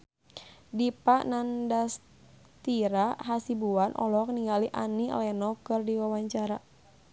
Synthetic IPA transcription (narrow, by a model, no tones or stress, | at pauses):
dipaʔnandas | t̪iɾaɦasibuanʔɔ̰lɔk̚niŋɡaliʔa̰nilɛnɔkɨrdiwawaɲt͡ʃaɾa